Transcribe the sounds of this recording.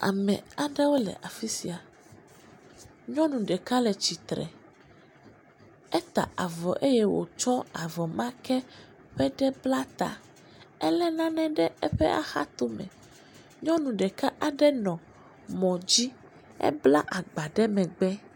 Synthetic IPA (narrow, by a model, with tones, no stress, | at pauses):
a̰˨mɛ̰̃˨a˨ɖɛ˦wo˦lɛ̰˨ʔa˨fi˦si˨a˨ | ɲɔ̃˦nũ˨ɖɛ˨ka˦lɛ˨t͡ɕi˨t̪ɾɛ̰˨ | ɛ˦t̪a̰˨a˨vɔ˨ʔe˦jɛ˦wo̰˨t͡ʃɔ˦a˨vɔ˨mã˦kɛ˦ | ɸɛ˦ɖɛ˦bla˦t̪a̰˨ | ɛ˦lɛ˦nã˦nɛ̃˦ɖɛ˦ɛ˦ɸɛ̰˦ʔa̰˨xa̰˦t̪o˦mɛ̰̃˨ | ɲɔ̃˦nũ˨ɖɛ˨ka˦ʔa˨ɖɛ˦nɔ̃˨ | mɔ̃˨d͡ʑi˦ | ɛ̰˦bla̰˦ʔa˨ɡ͡ba˨ɖɛ˦mɛ̃˨ɡ͡bɛ˦